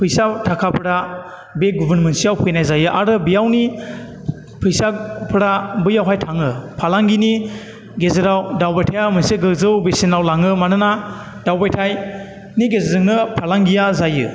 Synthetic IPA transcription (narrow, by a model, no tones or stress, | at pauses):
pʰɯjsatʰakʰapʰɯɾa | beɡubɯnmensijawpʰɯjnajzajɯʔa̰ɾɯbijawni | pʰɯjsapʰɯɾabɯjawɦajtʰaŋɯpʰalaŋɡini | ɡezɯɾawdawbajtʰajamɯnseɡɯzɯwbesinawlaŋɯmanɯna | dawbajtʰaj | niɡezedɯŋnɯpʰalaŋɡijazajɯ̰